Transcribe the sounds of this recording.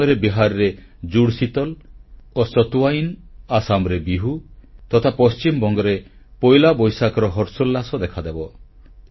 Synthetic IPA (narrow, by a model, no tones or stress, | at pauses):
ɔɾebiɦaɾɾe | d͡ʒuɽsit̪ɔlosɔt̪uainasamɾebiɦut̪ɔt̪ʰapɔst͡ʃimɔbɔŋɡɔɾe | pɔjlabɔjsakɔɾɔɦɔɾsɔlːasɔd̪ekʰad̪ebɔ